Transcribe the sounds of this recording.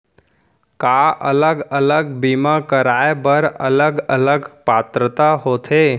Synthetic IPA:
kaʔə̰ləɡələɡbiːmakəɾaːebəɾə̰ləɡələɡpaːt̪ɾət̪aɦoːt̪ʰeː

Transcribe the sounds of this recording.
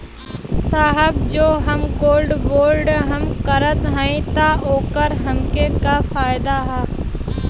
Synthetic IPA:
saːɦəbd͡ʒoːɦɐmɡoːlɖboːlɖɦɐmkəɾət̪ɦɛ̃ĩt̪aoːkəɾɦɐmkekafaːjd̪aɦɛː

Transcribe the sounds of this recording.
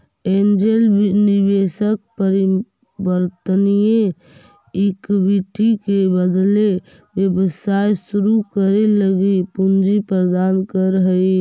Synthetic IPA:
end͡ʒelnibesək̚pəɾi | bəɾt̪ənije | ikʋiʈikebəd̪le | bjəbəsajsuɾukəɾeləɡipund͡ʒipɾəd̪ankəɾəɦəi

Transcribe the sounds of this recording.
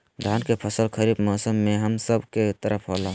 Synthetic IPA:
d̪ʱankepʰəsəlkʰəɾibmɔsəmːeɦəmsəbket̪əɾəpʰɦolɦũ

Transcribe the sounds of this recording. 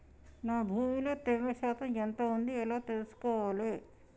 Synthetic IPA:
naːbʱuːmiloːt̪eɾɾɐʃaːt̪ɐmɛnt̪ɐund̪iɛlaːt̪elusu̥kɔːʋaːle

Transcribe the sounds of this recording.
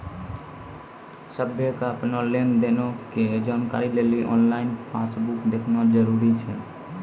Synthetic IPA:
səbʱjekaəpnɔlend̪enoked͡ʒaːnka̰ɾileliʔɔ̰ːnlainpʰasbukd̪ekʰnad͡ʒəɾuɾit͡ʃʰɛ

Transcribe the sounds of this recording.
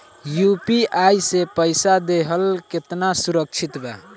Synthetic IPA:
jupiʔajsepəjsad̪eɦəlket̪nasuɾək̚t͡ʃʰit̪ba̰

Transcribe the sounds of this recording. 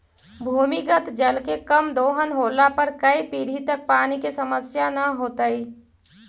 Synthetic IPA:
bʱuːmikət̪d͡ʒəlkekɐmd̪oːɦənɦoːlapɐɾkɐipiːɽ̤it̪ɐk̚paːnikisɐməsjanɐɦoːt̪aiː

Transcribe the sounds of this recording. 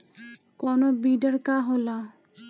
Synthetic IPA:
kɔnobiɖaɾkaɦola

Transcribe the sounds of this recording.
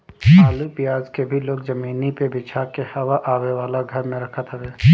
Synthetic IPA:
aːlupɪjaːzkebʱiloːkzɐmiːnipebɪt͡ʃʰakehɐʋaʔaːweʋaːlaɡʱɐɾmẽɾɐkʰət̪ɦɛʋeː

